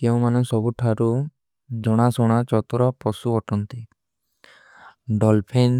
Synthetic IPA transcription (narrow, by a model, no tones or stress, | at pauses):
kew̃manɔŋsɔbuʈʰaɾu | d͡ʒɔɽ̃asɔɽ̃at͡ʃɔt̪ɾɔpɔsuɔʈɔnt̪e | ɖɔlpʰen